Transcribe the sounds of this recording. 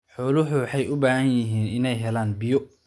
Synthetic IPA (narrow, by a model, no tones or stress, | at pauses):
ħɔːlʊħʊwħɑjʔʊbaːhɐnjɪɦiːnɪnɛjɦɛlaːnbɪjɔ